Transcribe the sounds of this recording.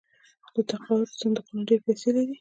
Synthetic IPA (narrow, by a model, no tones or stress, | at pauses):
d̪ət̪aqawʊɾsand̪ʊqnaɖeɾpeselaɾi